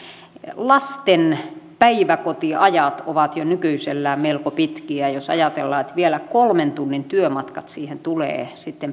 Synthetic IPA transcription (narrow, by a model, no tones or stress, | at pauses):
lɑst̪enpæiʋækot̪iɑjɑt̪oʋɑt̪jonykyiselːæːmelkopit̪kiæjosɑ̰jɑt̪elːɑːet̪ʋielækolment̪unːint̪yømɑt̪kɑt̪siːhent̪ulḛːsit̪ːem